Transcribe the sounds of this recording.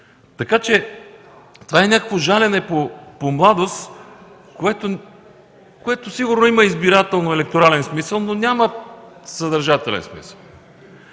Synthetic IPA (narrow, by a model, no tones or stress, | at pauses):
t̪ɐkat͡ʃɛ | t̪ovaɛnʲakəkvoʒalʲɛnɛpopomlˠad̪os | koɛt̪o | koɛt̪osiɡʊɾnoiməizbiɾat̪ɛlˠnoɛlɛk̚t̪oɾalɛnsmisəlˠnonʲaməsəd̪ɐɾʒat̪ɛlɛ̰nsmḭsə̥lˠ